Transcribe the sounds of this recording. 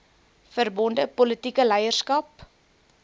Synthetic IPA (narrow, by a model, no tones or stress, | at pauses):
fərbɔndəpɔlətikəlɛjərskɐp